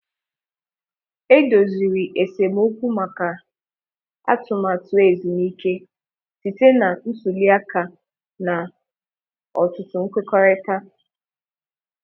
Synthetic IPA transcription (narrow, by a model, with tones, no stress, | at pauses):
e˦do˨zi˨ɾi˨ʔe˨se˨m˦o˦kʷu˦ma˨ka˨ | a̰˦tʊ˨ma˨tʊ˨e˨zi˨niː˦ke˦ | ti˨te˦na˨n̩˦su˨li˦a˦ka˨ | na˨ | ɔ̰˨tʊ˨tʊ˦ŋ̩˦kʷe˦kɔ˦ɾe˦ta˦